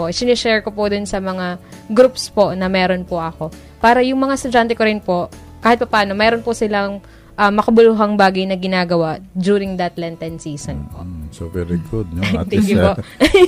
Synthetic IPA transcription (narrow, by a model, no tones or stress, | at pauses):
poʔsɪnɛʃɛɹkopʊd̪ʊnsɐmɐŋaɡɾupspo̞nɐmɛːɾo̞npoʔɐko̞ | paːɾɐjʊŋmɐŋast̪ʊd͡ʒant̪ɛkoɾɪnpo̞ | kaːhɪt̪̚pɐpaːno̞mɛːɾo̞npʊsɪlɐŋ | ʔɐmɐkɐbʊluːɦɐŋbaːɡɐjnɐɡɪnaːɡɐwaʔd̪uːɾɪŋd̪ɐt̪lɛnt̪ɛnsiːso̰nposovɛɾiɡʊd̪̚ot̪ɛŋkjʊpoʔ